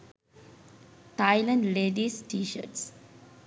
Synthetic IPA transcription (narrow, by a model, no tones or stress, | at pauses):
ʈajɪlə̃ɳleːɖisʈiːʃə̰ʈs